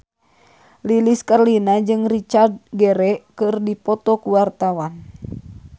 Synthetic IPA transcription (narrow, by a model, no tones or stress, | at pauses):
liliskarlinad͡ʒɨŋrit͡ʃard̪̚ɡɛɾɛkɨrdipɔt̪ɔkuwart̪awan